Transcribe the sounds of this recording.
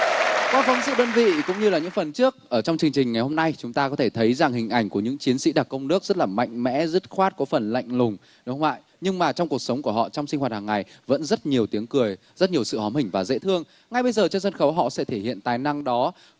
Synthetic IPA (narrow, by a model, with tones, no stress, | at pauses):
kwaː˧˩fɔ˨˦ŋ͡mzɨ̰˧˨ɗəː˧nvḭ˧˨kʊ̰˧˥ŋ͡mɲɨ˧laː˨˩ɲɨ̰˧˥ŋfə˨˩nt͡ɕɨ˦˥ək̚ʔəː˧˩t͡ɕɔ˧wŋ͡mt͡ɕɨ˧əŋt͡ɕï˨˩ŋ̟ŋa˨˩jho˧mna˧jt͡ɕʊ˨˦ŋ͡mt̪aː˧kɔ˨˦t̪ʰe˧˩t̪ʰə˨˦jza˨˩ŋɦï˨˩ŋ̟ʔa˧˩jŋ̟ku˧˩əɲɨ̰˧˥ŋt͡ɕi˨˦ənsḭ˧˥ɗa˨˩t̚kə˧wŋ͡mnɨ˦˥ək̚z̥ə˦˥t̚laː˨˩ma̰˧˨jŋ̟mɛ̰˧˥zə˦˥t̚xwaː˦˥t̚kɔ˨˦fə˨˩nla̰˧˨jŋ̟lʊ˨˩ŋ͡m | ɗhwa̰ː˧˨j | ɲɨ˧ŋmaː˨˩t͡ɕɔ˧ŋ͡mku˨˩ək̚sə˨˦wŋ͡mku˧˩əhɔ̰˧˨t͡ɕɔ˧wŋ͡msi˧ŋ̟waː˨˩t̚haː˨˩ŋːa˨˩jvə̰˧˥nzə˦˥t̚ɲi˨˩əwt̪i˨˦əŋkɨ˨˩əj | zə˦˥t̚ɲi˨˩əsɨ̰˧˨hɔ˨˦mhï˨˩ŋ̟vaː˨˩zḛ˧˥t̪ʰɨ˧əŋ | ŋa˨˩jɓə˧jzəː˨˩t͡ɕɔ˧sə˧nxə˨˦wɦɔ̰˧˨sɛ̰˧˥t̪ʰe˧˩hḭ˧˨ənt̪aː˨˩jna˧ŋɗɔ˨˦